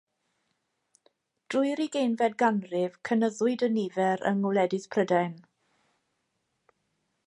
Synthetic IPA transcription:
d̥rʊjɾiɡejnvɛd̚ɡanrɪv̥kʰənəðʊɨdənivɛɾə̰ŋʊlˠɛdɪspʰrədaɨn

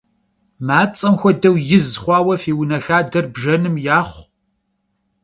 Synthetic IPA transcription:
maːt͡sʼɐmxʷɔdɐwjɪzχʷɑːwɐfiːwnɐxaːdɐrbʒɐnɨmjaːχʷ

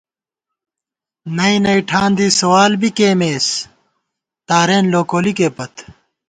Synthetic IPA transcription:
nɐinɐjʈʰãːnd̪iːsɐwaːlbikeːmeːs | t̪aːɾeːnloːkoːlikeːpɐt̪

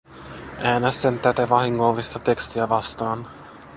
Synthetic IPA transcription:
ʔæːnæst̪ent̪æt̪æʋɑɦiŋːolːist̪ɑt̪e̞kst̪iæʋɑst̪ɑːn

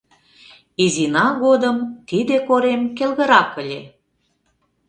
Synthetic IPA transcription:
izinɑɣod̪əmt̪id̪ekoɾemkelɣə̆ɾɑkə̆lʲe

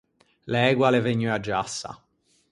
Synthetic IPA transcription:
lɛɛːɡwaleveɲːuad͡ʒːasːa̰

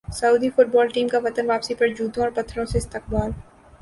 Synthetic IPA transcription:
sɐuːd̪ifʊʈ̚bɔːlʈiːmkaʋɐt̪ənʋaːpsipɐɾd͡ʒuːd̪õɔːɾpɐt̪ʰːɾõseɪst̪ɪq̚baːl

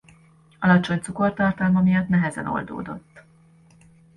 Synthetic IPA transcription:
ɒlɒt͡ʃo̞ɲt̪suko̞rt̪ɒrt̪ɒlmɒmijɒt̪nɛɦɛzɛ̰no̞̰ld̪o̰ːd̪o̞̰t̪ː

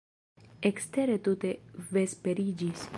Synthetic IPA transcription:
ekst̪eɾet̪ut̪eʋespeɾiːd͡ʒis

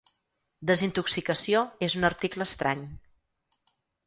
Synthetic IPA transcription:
d̪əzint̪uksikəsioezunəɾt̪ikləːst̪ɾaɲ

